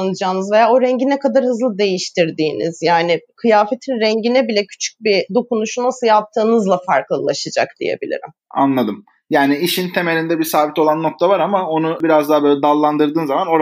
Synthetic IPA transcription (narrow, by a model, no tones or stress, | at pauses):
nɯd͡ʒaːnɯzve̞jaːo̞ɾɛɲɟinɛkʰad̪aɾhɯzlˠɯd̪e̞jiʃt̪ʰiɾd̪iːnḭz̥jaːnɪkʰɯjaːfe̞t̪ʰinɾɛɲɟinɛbilʲɛcʰy̥t͡ʃʰy̥c̚bid̪o̞kunuʃunasɯlˠjap̚t̪ʰːɯːnɯzlˠafaɾklˠɯlˠa̰ʃad͡ʒa̰kd̪̥ḭjḛbḭlʲḭɾḭm | a̰nlˠad̪ɯm | jaːniiʃint̪ʰe̞melʲind̪ɛbisaːbit̪o̞lˠanːo̞k̚t̪ʰavaɾamao̞nubiɾazd̪aɦːbøːlʲɛd̪alˠːand̪ɯɾd̪ɯːnzamano̞ɾ